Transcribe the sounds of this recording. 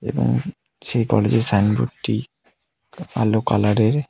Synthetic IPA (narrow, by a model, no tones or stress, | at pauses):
ḛbo̰ŋ | ʃejkɔled͡ʑeɾsanbṵʈʈi | a̰lokalaɾeɾ